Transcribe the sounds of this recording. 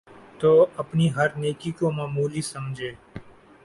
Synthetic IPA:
t̪oəpniɦəɾnekikomãmuːlisəmd͡ʒʱeː

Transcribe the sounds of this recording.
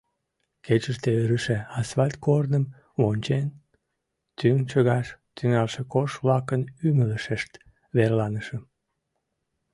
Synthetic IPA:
ket͡ɕəʃt̪eøɾəʃeɑsvɑlʲt̪̚kornəm | βonʲt͡ɕen | t̪yŋt͡ɕəɣɑʃt̪yŋɑlʃekoʃβlɑkənymələʃeʃt̪ | βerlɑnəʃə̆

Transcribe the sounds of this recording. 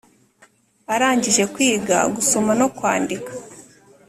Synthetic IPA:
aɾaːɲɟiʒe̞kwiːɡa̰ɡusomano̞kwaːndikḁ

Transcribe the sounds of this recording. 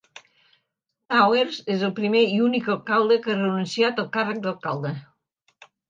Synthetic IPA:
t̪aweɾzezəlˠpɾimeiunikəlkawd̪əkərənunsiat̪əlˠkarək̚d̪əlˠkalˠd̪e

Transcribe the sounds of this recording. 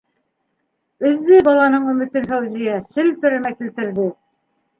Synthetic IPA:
ɵ̆ðːɵbɑlˠɑnɤɴɵ̆mɵ̆t̪ɘnfæwzijæsɘ̆lt̪ɵ̆ɾɘ̆mækilt̪ɘ̆ɾðɘ

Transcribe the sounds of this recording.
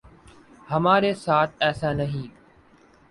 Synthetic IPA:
həmaːɾeːsaːt̪ʰɛːsaːnəɦĩː

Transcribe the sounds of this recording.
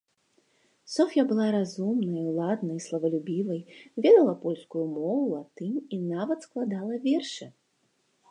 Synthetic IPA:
sɔfʲjɐbɨlˠaɾazumnɐjwlˠad̪nɐjslˠɐvɐlʲubʲivɐjvʲɛd̪ɐlˠɐpɔlʲskujumɔvulˠat̪ɨmʲinavɐt̪sklˠad̪alˠɐvʲɛrʂɨ

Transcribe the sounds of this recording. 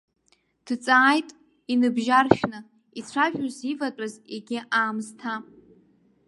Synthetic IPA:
d̥t͡sʼaːjtʼ | inɨbʒarʃᶣnɨ | it͡sʷʰaʒᶣozivatʼazeɡʲɪʔaːmztʰa

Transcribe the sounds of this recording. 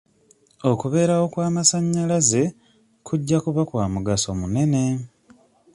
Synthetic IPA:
o̞kuβe̞ːɾawo̞kwaːmasaɲːalaze̞ | kʰuɟːakuβakwaːmuɡaso̞mune̞ne̞

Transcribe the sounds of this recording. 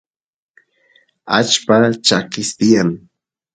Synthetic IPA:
a̰t͡ʃpat͡ʃakɪst̪ɪjaŋ

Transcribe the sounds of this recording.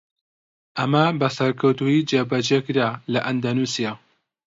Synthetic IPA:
ʔɐmɐbɐsɐɾkʰɐwt̪uid͡ʒebɐd͡ʒekɾalɐʔɐnd̪anusija

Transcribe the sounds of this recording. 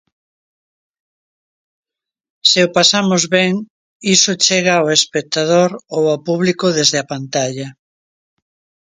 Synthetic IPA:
seopasamozβeŋ | isot͡ʃeɣawespek̚t̪að̞oɾowawpuβlikoðezðeapant̪aʎɐ

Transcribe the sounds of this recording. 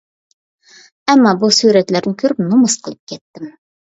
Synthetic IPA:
æmːɑbusuɾæt̪læɾnɪkʲʰɵɾɪpnʊməsqʰəlˠəp̚kʲet̪ːɪm

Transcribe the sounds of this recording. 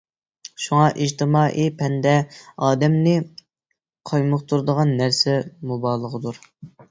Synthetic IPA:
ʃuŋɑʔid͡ʒt̪ʰɪmɑːʔipʰɛnd̪ɛɑːd̪ɛmnɪ | qʰɑjmʊqt̪ʰuɾd̪əʁɑnːæɾsɛmubɑːlˠəʁəd̪uɾ

